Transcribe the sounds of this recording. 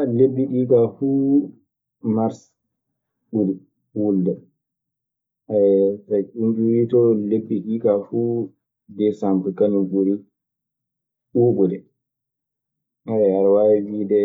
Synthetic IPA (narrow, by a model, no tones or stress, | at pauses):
lebːiɗiːkafuː | maɾs | ɓuɾi | wuldɛ | aɛtat͡ʃuɲd͡ʒuwitɔlebːiɗiːkafu | dɛsambɾɛkaniɡuɾi | ɓuːɓɔdɛ | haɛhaɾwawiːdɛ